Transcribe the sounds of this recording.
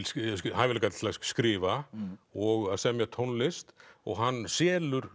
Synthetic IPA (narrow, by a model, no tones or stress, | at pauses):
lɦaðvɪlkat̪laskɾɪːvaɔɣaðsɛmjɛt̪ʰownlɪst̪ɔ̰ɣɦanːsɛːlʏɾ̥